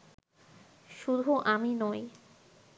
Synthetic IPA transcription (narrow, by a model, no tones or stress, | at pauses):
ʃud̪ʱuʔaminɔj